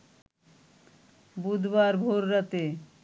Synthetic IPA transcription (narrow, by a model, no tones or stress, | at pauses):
bud̪ʱbaɾbʱoɾːat̪e